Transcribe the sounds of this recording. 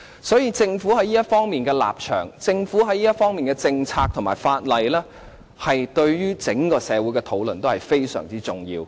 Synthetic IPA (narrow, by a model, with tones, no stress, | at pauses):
sɔː˨˥jiː˧t͡sɪ˧ŋfu˨˥ɦɐ˨˥jliː˥jɐ˥t̚fɔː˥ŋmiː˨nkɛː˧la̰ː˨˩p̚t͡ʃʰœ̰ː˨˩ŋt͡sɪ˧ŋfuː˨˥ɦɐ˨˥jliː˥ɐ˥t̚fɔː˥ŋmiː˨nkɛ˧t͡sɪ˧ŋt͡sʰaː˧k̚t̪ʰʊ˨˩maː˨˩faː˧t̚lɐ˨˧jlɛː˥ | hɐ˨jt̪ɵ˧ɥjyː˥t͡sɪ˨˥ŋkɔː˧sɛː˨˧wu˨˥jkɛː˧t̪ʰo˨˥wlɵ˨˩nt̪o˥whɐ˨jfe˥jsœ̰ː˨˩ŋt͡siː˥t͡sʊ˨˩ŋjḭː˧w